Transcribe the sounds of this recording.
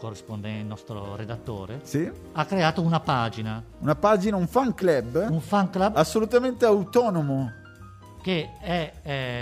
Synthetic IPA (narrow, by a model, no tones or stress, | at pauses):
korːispond̪ɛnːɔst̪ɾo̰ɾed̪at̪ːo̰ːɾesi | akːɾeaːt̪ounapaːd͡ʒina | unapaːd͡ʒinauɱfaŋklɛbuɱfaŋklɛbasːolut̪ament̪eawt̪ɔːnomo | k̟eɛ